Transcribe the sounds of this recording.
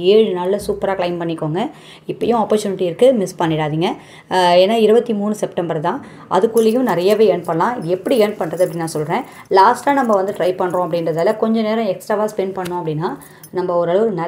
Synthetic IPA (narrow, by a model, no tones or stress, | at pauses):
eːɻɯnaːlːɐsuːpɐɾaːkɭɐɪmpɐɳːɪkːoːŋɡɐ | ɪpːɐjʊ̃aːpːɐɾt͡ʃuːnɪʈːiɪɾɯkːɯmɪspɐɳːɪɽaːðiːŋɡɐ | eːnːaːɪɾɯbɐt̪ːimuːnɯsɛpʈɐmbɐɾt̪ãː | ʔɐ̰ðɯkːɯɭːɐjʊ̃nɪɾɐjaʋeːeɳpɐɳɐlãːɪðɯɛpːɐɽieɳpɐɳːɾɐðɯɐpːɐɽɪnːãːsɔlɾẽː | laːsʈaːnɐmbɐʋɐnd̪ɯʈɾɐɪpɐɳːɾõɐp̬ːɐɽɪnɾɐðaːlɐkɔɲd͡ʒɔ̃neːɾɐ̃ɛksʈɾaʋaːspɛnpɐɳːʊ̃ɐpːɐɽɪnːaː | nɐmːɐɔɾɐɭɐʋɯɾɯnɐ